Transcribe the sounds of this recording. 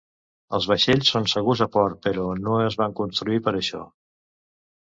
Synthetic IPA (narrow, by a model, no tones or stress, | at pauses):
əlˠzβəʃeʎsːonsəɣ̞uzəpɔɾt̪̚pəɾɔnoəzβaŋkunst̪ɾuipəɾəʃɔ̰